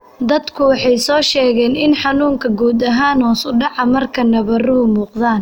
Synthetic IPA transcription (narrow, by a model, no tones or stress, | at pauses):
d̪ɐd̪kʰʊwɑħɑjsɔːʃɛːɣɛːnɪnħɑnuːŋkʰɐɡuːd̪ɐɦaːnɔːsʊɖɑʕɑmɐrkʰɐnɐβɐruːmuːqðaːn